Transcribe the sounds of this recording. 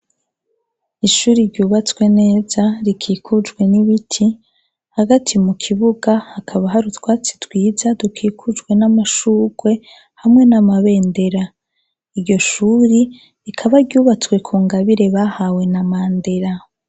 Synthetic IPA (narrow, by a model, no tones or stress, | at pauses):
iʃuːɾiɾɟuːβat͡swe̞ne̞ːzaɾikʰiːkʰud͡ʒɡwe̞niβitʰi | haɡatʰimukʰiβuɡahakʰaβaɦaɾutwaːt͡si̥twiːzadukʰiːkʰud͡ʒɡwe̞namaʃuɡwe̞ | hamŋe̞namaβe̞ːnde̞ɾa | iɾɟo̞ʃuːɾi | ɾikʰaβaɾɟuːβat͡swe̞kʰuːŋɡaβiɾe̞βahawe̞namaːnde̞ɾa